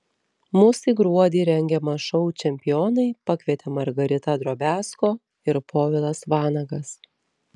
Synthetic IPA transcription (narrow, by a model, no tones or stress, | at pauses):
mʊsʲiːɡɾuɔd̪ʲiːɾʲɛŋʲɡʲɛmɐʃɔʊt͡ʃʲɛmʲpʲɪjoːnɐɪpɐkʲʋʲiɛt̪ʲemɐɾɡɐɾʲɪt̪ɐd̪ɾoːbʲæːskoː | ɪɾpʰoːʋʲɪlˠɐsʋɑːnɐɡɐs